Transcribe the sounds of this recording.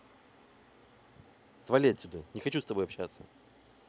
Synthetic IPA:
svɐlʲetʲsʲʊd̪anʲɪxɐt͡ɕust̪ɐbo̞jɐpɕːat̪sə

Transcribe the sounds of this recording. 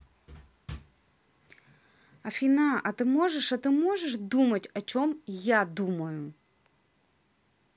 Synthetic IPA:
ɐfʲinaʔɐt̪ɪmɔʐɛʂɐt̪ɪmɔʐɛʂd̪umɐtʲɐt͡ʃɔmjad̪umɐjʊ

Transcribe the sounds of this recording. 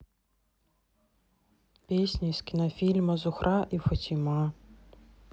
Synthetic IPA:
pʲesʲnʲɐiskʲinɔfʲilʲmɐzʊxɾʔaʔifɔtʲima

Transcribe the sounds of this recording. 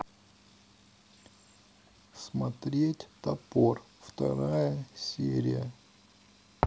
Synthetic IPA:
smɐt̪ɾʲetʲt̪ɐpor | ft̪ɐ̰ɾajəsʲeɾʲɪ̰jə

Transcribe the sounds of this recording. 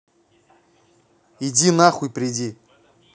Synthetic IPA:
idʲinaχʊipɾʲedʲi

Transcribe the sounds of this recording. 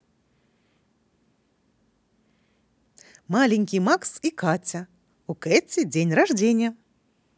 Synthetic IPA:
malʲɪnʲkʲijmaksikatʲɐ | ukɛtʲɪdʲenʲraʐdʲenʲɪjə

